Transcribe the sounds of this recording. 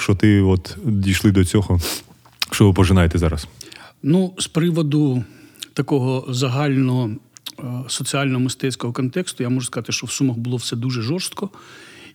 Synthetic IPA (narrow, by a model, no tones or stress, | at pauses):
ʃt͡ʃɔt̪ɪɔt̪d̪ʲijʃlˠɪd̪ɔt͡sʲɔɦɔ | ʃt͡ʃɔʋɪpɔʒɪnɑjet̪ɛzɑɾɐsnuspɾɪʋɔd̪ʊt̪ɐkɔɦɔzɐɦɑlʲnɔɦɔ | sɔt͡sʲiɑlʲnɔɦɔmɪst̪ɛt͡sʲkɔɦɔkɔnt̪ɛkst̪ʊjamɔʒʊskɐzt̪ɪʃt͡ʃɔwsumɐɣbʊlˠɔwsɛd̪uʒɛʒɔrst̪kɔ